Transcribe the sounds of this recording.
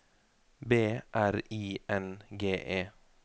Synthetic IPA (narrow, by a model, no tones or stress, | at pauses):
beːʔæɾiːʔɛnɡeːʔeː